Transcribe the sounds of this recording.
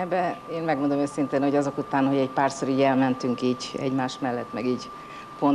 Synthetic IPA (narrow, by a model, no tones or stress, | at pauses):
ɛbːɛeːnmɛɡmond̪o̞møːsint̪eːnhoɟɒzo̞kut̪aːnhoɟɛcpaːrsoɾiːɟɛlmɛnt̪yŋkiːɟɛ̰ɟmaːʃt̪mɛlːɛt̪ːmɛɡiːɟ | po̞n